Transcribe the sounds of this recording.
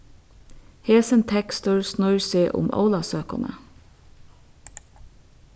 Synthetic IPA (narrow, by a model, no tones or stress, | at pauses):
heːsənt̪ʰɛkst̪ʊɹsnʊʏɹsiːʔʊ̰mʔə̰ʊlɑsøːkɑ̰nə̰